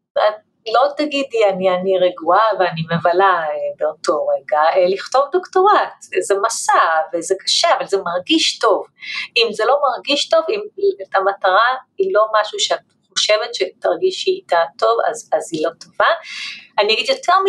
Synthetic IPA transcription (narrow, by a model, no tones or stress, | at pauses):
a | lo̞t̪aɡidianianiʁeɡuaveanimevalaebeoto̞ʁeɡaeliχto̞vdoktoʁatzemasavezekḁʃeavalzemaʁɡiʃto̞vimzelo̞maʁɡiʃto̞vimetamataʁailo̞maʃuʃeat | χo̞ʃe̞vetʃetaʁɡiʃiitato̞va̰zazilo̞tovaanijaɡid̪jo̞tʰeʁmi